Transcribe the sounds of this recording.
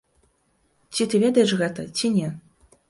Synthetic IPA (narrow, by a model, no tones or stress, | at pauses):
t͡sʲit̪ɨvʲɛd̪ɐjɛʂɣɛt̪ɐt͡sʲinʲɛ